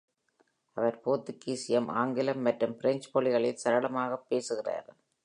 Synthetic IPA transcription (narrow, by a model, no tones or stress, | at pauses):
ɐʋɐɾpoːt̪ːɯkːiːsɪjɐmʔa̰ːŋɡɪlɐmːɐʈrɯmpɪɾɛɲd͡ʒpɔɭɪɣɐɭɪlsɐɾɐɭɐmaːɣɐpːeːsɯɣɪra̰ːɾ